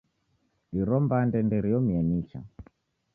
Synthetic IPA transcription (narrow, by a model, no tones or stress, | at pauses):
iɾɔmbandɛndɛɾijɔmiɛmit͡ʃa̰